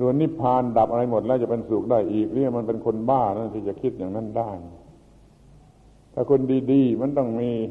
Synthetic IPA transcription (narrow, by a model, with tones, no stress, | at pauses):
su˨˧˩ənːi˦˥˩pʰaː˧nda˨˩p̚ʔa˧ɾa˧jmo˨˩t̪̚lɛ˦˥˩t͡ɕa˨˩pe˧nsuː˨˩k̚daː˥˩jʔiː˨˩k̚niː˥˩ma˧npe˧nkʰo˧nbaː˥˩˧na˥˩nt̪ʰiː˧˩t͡ɕa˨˩kʰi˦˥˩t̪̚jaː˨˩ŋna˧˥˨ndaː˥˩j | t̪ʰaː˧˩kʰo˧ndiː˧diː˧ma˧˥˨nt̪ɔ˥˩ŋmiː˧